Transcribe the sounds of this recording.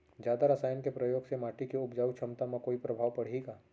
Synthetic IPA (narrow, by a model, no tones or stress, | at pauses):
d͡ʒjaːd̪aɾəsaːjənkepɾɐjoːɡsemaːʈikiʊbd͡ʒaːut͡ʃʰɐmt̪amãkoːipɾɐbʱaːʋpɐɽ̤eɡaː